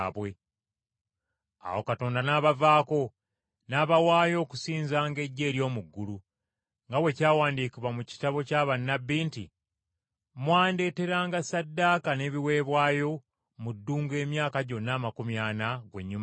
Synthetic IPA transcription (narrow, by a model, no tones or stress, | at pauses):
βwe̞ | a̰wo̞kato̞ːndanaːβavaːko̞ | naːβawaːjo̞ːku̥siːnzaːŋɡe̞ɟːe̞ːɾjo̞ːmuɡːulu | ŋɡawe̞caːwaːndikiβwamuci̥taβo̞caːβanːabːiːnti | mwaːnde̞ːte̞ɾaːŋɡasadːaːkane̞βiwe̞ːβwaːjo̞ | mudːuːŋɡe̞ːmjaːkaɟo̞nːaːmakumjaːnaɡwe̞̰ɲːum